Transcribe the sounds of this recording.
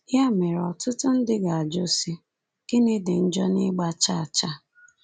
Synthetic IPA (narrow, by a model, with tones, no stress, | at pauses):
ja˦me˨ɾɔ˨tʊ˦tʊ˦n̩˦dɪ˦ɡa˨a˨d͡ʒo˦si˦ | ɡ̥ɪ˦nɪ˦dɪ˨n̩˦d͡ʒɔ˦nɪ˦ɡ͡ba˦t͡ʃa˦a˨t͡ʃa˦